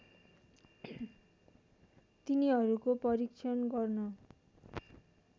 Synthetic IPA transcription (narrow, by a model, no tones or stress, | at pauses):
t̪iniɦʌɾukopʌɾikt͡ʃʰʌnɡʌrnʌ